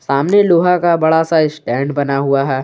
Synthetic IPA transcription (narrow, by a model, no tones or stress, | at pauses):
saːmneloːɦakabɐɽasaɪsʈɛ̃ːɳɖbɐnaɦuaɦɛː